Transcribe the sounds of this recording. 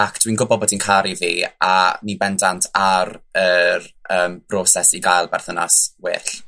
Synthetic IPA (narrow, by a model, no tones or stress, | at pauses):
akd̥winɡʊbɔbɔdinkʰaɾiviːa̰nibɛndantʰaɾərəːmb̥rɔːsɛsiɡajlˠbɛrθənɔswḛːɬ